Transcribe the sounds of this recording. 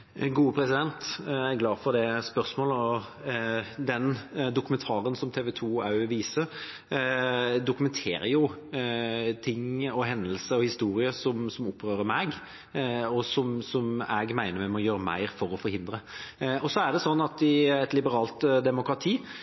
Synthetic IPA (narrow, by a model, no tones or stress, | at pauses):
ɡuːəpʰɾɛsɪd̪ɛnt̪æɡlɑːfɔɾd̪ɛspœʁsmoːləɔ | d̪ɛnd̪ʊkmɛnt̪ʰɑːɾənsɔmt̪ʰeːʋɛt̪ʰuːɑʉʋiːsəɾ | d̪ʊkʉmɛnt̪ʰḛːɾəjʊ | t̪ʰɪŋːɔɦɛnd̪əlsəɔhɪst̪uːɾɪəsɔmsɔmʊpʰːɾøːɾəmɛɡ | ɔsɔmsɔmɛɡmæɪnəɾmɛmɛɔjøːɾəmæ̰ɪɾfɔɾɔfɔɾhɪnd̪ɾəɔsɔæɖ̪ɛsɔnːɑt̪ɪɛt̪lɪbəɾɑːlt̪d̪ɛmʊkɾɑt̪ʰiː